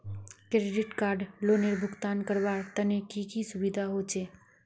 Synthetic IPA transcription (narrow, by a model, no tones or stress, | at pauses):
kɾeɖɪʈkaːɾɖloːneɾbʱʊɡt̪aːnkəɾbaːɾt̪ənekikisʊbid̪ʱaɦoːt͡ʃeː